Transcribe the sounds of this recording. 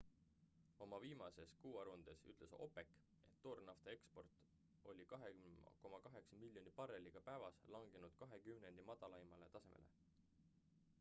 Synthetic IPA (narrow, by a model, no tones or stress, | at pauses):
o̞mɑviːmɑse̞skuːɑɾund̪̥esy̰t̪le̞so̞̰pe̞kːˑ | e̞t̪ːo̞rnɑft̪ɑe̞kspo̞rt̪ːˑ | o̞̰lʲikɑɦeko̞mɑkɑɦe̞ksɑmilʲːjo̞nipɑrelːiɡ̥ɑpæːvɑslɑŋɡ̥enud̪̥kɑɦe̞kymne̞nd̪̥imɑd̪̥ɑlɑimɑle̞t̪ɑse̞mʔḛle̞̰